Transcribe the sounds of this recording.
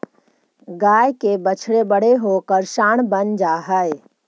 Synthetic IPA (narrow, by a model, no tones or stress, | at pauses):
ɡaːjkebət͡ʃʰɽebəɽ̤eɦokəɾʃaːɽ̃bənd͡ʒaːɦəe